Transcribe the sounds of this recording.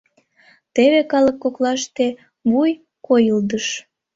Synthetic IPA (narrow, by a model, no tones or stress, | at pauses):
t̪eβekɑləkːoklɑʃt̪e | βuj | kojəld̪əʃ